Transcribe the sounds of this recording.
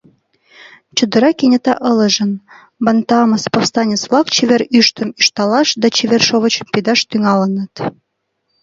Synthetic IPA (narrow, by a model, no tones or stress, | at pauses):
t͡ɕŭd̪ɤ̆ɾɑkenʲĕt̪ɑʔɤ̆lə̆ʒə̆n | bɑnt̪ɑməspɑfst̪ɑnʲet͡svlˠɑkt͡ɕeβeɾyʃt̪ə̆myʃt̪ɑlɑʃd̪ɑt͡ɕeβerʃoβə̆t͡ɕə̆mped̪ɑʃt̪yŋɑlə̆nə̆t̪